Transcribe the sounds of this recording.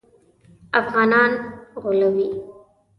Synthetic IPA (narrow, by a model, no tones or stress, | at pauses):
ɐfɣɑːnɑːnɣʊləwi